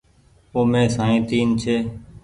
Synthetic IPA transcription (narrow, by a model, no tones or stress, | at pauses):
oːmẽːsaːĩːt̪iːnt͡ʃʰeː